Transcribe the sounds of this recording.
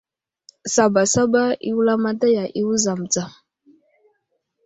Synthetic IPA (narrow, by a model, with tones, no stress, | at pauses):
sa˨ba˨sa˦ba˦ḭ˦wu˦la˦ma˦ta˦ja˨ʔi˦wu˦za˨m̩˨d͡za˨